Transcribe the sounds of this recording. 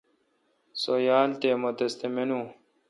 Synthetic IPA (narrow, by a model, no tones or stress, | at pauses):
sojaːlt̪eːmot̪ɐst̪emenuː